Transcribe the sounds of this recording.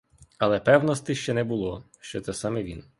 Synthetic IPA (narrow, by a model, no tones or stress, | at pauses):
ɐlˠɛpɛwnɔst̪ɪʃt͡ʃɛnɛbʊlˠɔ | ʃt͡ʃɔt̪sɛsɑmɛʋʲin